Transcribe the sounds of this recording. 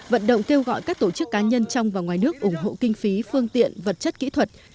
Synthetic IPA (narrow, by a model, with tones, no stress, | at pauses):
və̰˧˨nɗə̰˧˨wŋ͡mke˧wɣɔ̰˧˨jkaː˦˥k̚t̪o˧˩t͡ɕɨ˦˥kːaː˨˦ɲə˧nt͡ɕɔ˧wŋ͡mvaː˨˩wŋwaː˨˩jnɨ˦˥ək̚ʔʊ˧˩ŋ͡mɦo̰˧˨kï˧ŋ̟fi˨˦fɨ˧əŋt̪ḭ˧˨ənvə˨˩t̚t͡ɕə˦˥t̚kḭ˧˥t̪ʰwə˨˩t̚